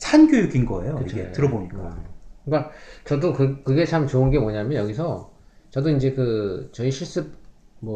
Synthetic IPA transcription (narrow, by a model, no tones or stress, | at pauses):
sʰanɡjojuɡinɡʌ̰ḛjoɯit͡ɕʰoɡetɯɾʌboɲik͈akɯk͈at͡ɕʌdokɯkɯɡe̞t͡ɕʰamt͡ɕoɯnɡe̞moɲamjʌnjʌɡisʰʌ | t͡ɕʌdoind͡ʑe̞kɯt͡ɕʌiɕʰiɭs͈ɯp̚ | mwʌ